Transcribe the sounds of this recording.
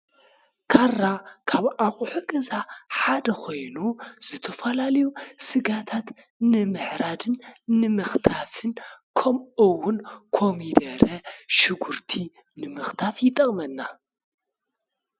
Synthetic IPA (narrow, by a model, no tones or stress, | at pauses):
kʰarːakʰaβʔaχʼħuɡɐzaħad̪ɐkʰo̞jnuz̥ɨt̪ʰɐfɐlalɐjusɨɡat̪ʰat̪ | nɨmɨħɾad̪ɨnnɨmɨxt̪ʰafɨnkʰɐmɨwːʊnkʰomid̪ɐɾɐʃɨɡuɾt̪ʰi | nɨmɨxt̪ʰafjɪt̪ʼɐχʼmɐnːa